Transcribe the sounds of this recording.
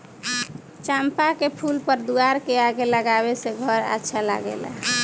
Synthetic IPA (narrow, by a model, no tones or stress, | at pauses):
t͡ʃampakepʰulpəɾd̪uaɾkeaɡeləɡaβeseɡʱʌɾa̰tːʃʰala̰ɡḛla̰